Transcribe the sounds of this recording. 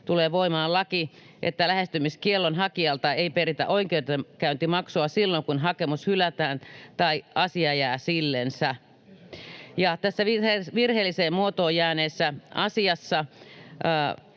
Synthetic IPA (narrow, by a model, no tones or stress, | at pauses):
t̪uleːʋoimɑːlɑki | ʔḛt̪ːælæhest̪ymiskielːonhɑkiɑlt̪ɑeiperit̪æ̰ʔoikeyt̪ekæynt̪imɑksuɑsilːoŋkunɦɑkemushylæt̪æːnt̪ɑiʔɑsiɑjæːsilːensæ | jɑt̪æsːæʋʋirheːlːiseːmmuot̪oːjæːneːsːæʔɑsiɑsːɑ